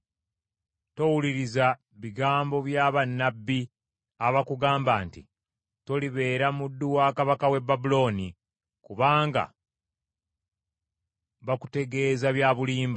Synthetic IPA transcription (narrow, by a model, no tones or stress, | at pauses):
to̞wuliɾiza | βiɡaːmbo̞βjaːβanːabːi | aβakuɡaːmbaːntḭ | to̞liβe̞ːɾamudːuwaːkaβakawe̞bːabulo̞ːni | kuβaːŋɡa̰ | βaku̥te̞ɡe̞ːzaβjaːβuliːmba